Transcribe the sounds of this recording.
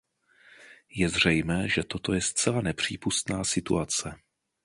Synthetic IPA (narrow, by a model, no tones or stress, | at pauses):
jɛzr̝ɛjmɛːʒɛt̪o̞t̪o̞jɛst̪t͡sɛlanɛpr̝̥ḭːpust̪naːsɪt̪ṵat͡sɛ